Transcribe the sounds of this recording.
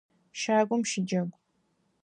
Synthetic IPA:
ʃaːɡʷʊmʃɪd͡ʒɐɡʷ

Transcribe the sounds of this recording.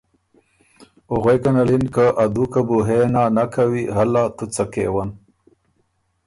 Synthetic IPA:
ʊɣejkanalinkəʔad̪ukabuɦenanakʰawiɦalːat̪ut͡sakḛwan

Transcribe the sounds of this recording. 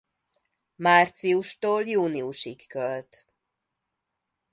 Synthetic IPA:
maːrt̪siuʃt̪oːljuːniuʃikːølt̪

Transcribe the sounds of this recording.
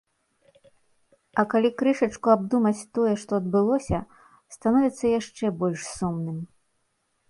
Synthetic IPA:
ɐkalʲikɾɨʂɐt͡ʂkuabd̪umɐt͡sʲt̪ɔjɛʂt̪ɔɐd̪̚bɨlˠɔsʲɐ | st̪anɔvʲit̪sːɐjaʂt͡ʂɛbɔlʲʂsumnɨm

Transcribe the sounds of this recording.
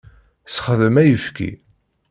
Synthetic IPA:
sχðəmæjəfkʰḭ

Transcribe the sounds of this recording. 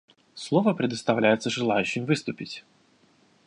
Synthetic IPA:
slˠo̞vəpɾʲɪd̪əst̪ɐvlʲæjɪt̪səʐɨlˠajʉɕːɪmvɨst̪ʊpʲɪtʲ

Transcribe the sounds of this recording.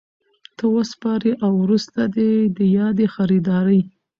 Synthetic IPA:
t̪əwəspɑɾiʔawɾust̪ad̪ed̪əjɑd̪exaɾid̪ɑɾəj

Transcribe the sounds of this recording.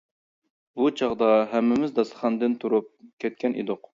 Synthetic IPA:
but͡ʃʰɑʁd̪ɑɦɛmːɪmɪzd̪ɑsə̥χɑnd̪ɨnt̪ʰuɾup̚kʲʰɛt̪̚kʲɛnʔḭd̪ʊq

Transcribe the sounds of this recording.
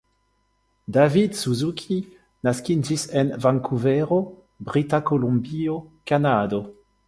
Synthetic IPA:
d̪avid̪suzukʰi | naskid͡ʒisenvaŋkʰuvɛʁo | bʁit̪akolumbiokanad̪o

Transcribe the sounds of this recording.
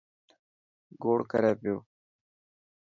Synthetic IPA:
ɡoːɽkɐɾeːpjoː

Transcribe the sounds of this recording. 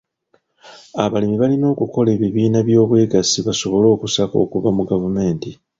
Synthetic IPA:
aβalimiβalino̞ːkuko̞le̞ːβiβiːnaβjo̞ːβwe̞ːɡasiβaso̞βo̞lo̞ːkusako̞̰ːkuvamuɡavume̞ːnti

